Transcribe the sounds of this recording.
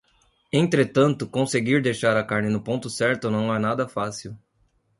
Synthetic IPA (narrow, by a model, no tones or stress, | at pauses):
ẽnt̪ɾet̪ɐ̃nt̪ʊkõseɡiɾd̪ejʃaɾɐkaɾnɪnʊpõnt̪ʊsɛɾt̪ʊnɐ̃w̃ɛnad̪ɐfasiw